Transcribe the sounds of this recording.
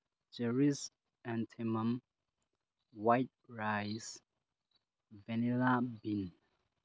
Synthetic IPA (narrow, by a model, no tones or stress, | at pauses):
d͡ʒɛɹis | ãntʰimãm | wajt̚ɹajs | vɛnilabin